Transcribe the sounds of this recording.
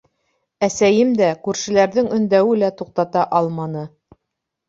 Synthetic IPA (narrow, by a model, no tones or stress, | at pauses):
æsæjɘmd̪ækʉɾʃɘ̆læɾðɘŋɵ̆nd̪æwɘlæt̪uq̚t̪ɑt̪ɑʔɑlˠmɑnɤ